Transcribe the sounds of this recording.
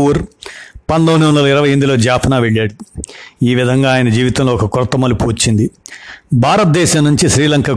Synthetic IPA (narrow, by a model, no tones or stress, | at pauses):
uːɾpɐnd̪ɐnuund̪ɐlɐiɾɐʋɐjend̪ilo̞ːd͡ʒaːpʰɐnaːʋeɭːaːɽiiːʋid̪ʱɐŋɡaːjɐnɐd͡ʒiːʋit̪ɐmloːɔkɐkuɾɐt̪ːɐmɐlupuʋɐt͡ʃːind̪ibʱaːɾɐt̪̚d̪ɛːʃamnːuɲt͡ʃiʃɾiːlɐŋka